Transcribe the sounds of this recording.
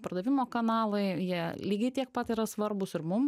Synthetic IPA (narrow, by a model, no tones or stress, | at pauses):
pɐɾd̪ɐʋʲɪmoːkɐnɑːlˠɐɪjiɛlʲiːɡʲɪt̪ʲiɛk̚pɐt̪iːɾɐsʋɐɾbʊsɪɾmʊm